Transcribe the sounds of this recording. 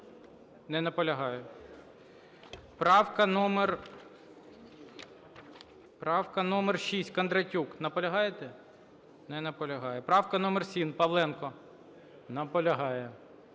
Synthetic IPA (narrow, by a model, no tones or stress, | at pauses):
nɛnɐpɔlʲɐɦɑjɛ | pɾɑwkɐnɔmer | pɾɑwkɐnɔmɛrʃisʲtʲkɐnd̪ɾɐtʲuknɐpɔlʲɐɦɑjet̪ɛ | nɛnɐpɔlʲɐɦɑjɛpɾɑwkɐnɔmɛrsʲinpɐʋlˠɛnkɔ | nɐpɔlʲɐɦɑjɛ